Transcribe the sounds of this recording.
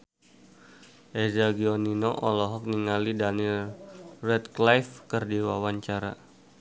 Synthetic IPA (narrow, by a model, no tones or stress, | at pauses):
ʔɛzaɡiɔninɔʔɔlɔɦɔk̚niŋalidanilrɛt̚klajfkərdiwawaɲt͡ʃaɾa̰